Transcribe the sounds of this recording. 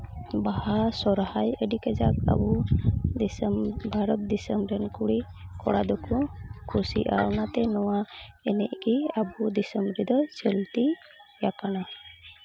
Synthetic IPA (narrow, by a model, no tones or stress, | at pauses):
bahasɔɾhajəɖikɛd͡ʒaka̰bud̪smbʱaɾɔt̪̚d̪isəmbɾɛnkuɽi | kɔ̰ɽa̰d̪ɔkɔkʰusḭʔa̰wnat̪ɛnɔwaɛnɛʔkiabud̪isəmbɾid̪ɔt͡ʃəlt̪i | jakana